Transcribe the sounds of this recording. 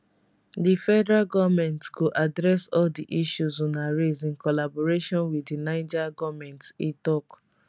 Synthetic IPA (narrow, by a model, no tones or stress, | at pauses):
difɛdɛɹaɡɔvmɛ̃ntkoʔadɹɛsɔldiʔiʃuzɔnaɹezĩnkɔlabɔɹeʃɔ̃nwidinaɪd͡ʒaɡɔvmɛ̃ntitɔk